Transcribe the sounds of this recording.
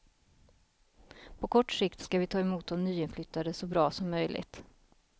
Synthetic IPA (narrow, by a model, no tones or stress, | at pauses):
pʰɔkʰɔʈːʂɪkt̪skavɪt̪ʰɑːɛmuːt̪̚d̪ɔmnyːɪnflʏt̪ːad̪əsɔbɾɑːsɔmːœjlʔɪ̰ɡt̪